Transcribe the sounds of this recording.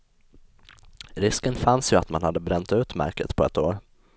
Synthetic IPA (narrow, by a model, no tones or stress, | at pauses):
ɾɪskənfansjɵat̪manhad̪ːəbɾɛnːt̪ʉ̟ːt̪mæ̰ɾkət̪pʰɔɛt̪oːɾ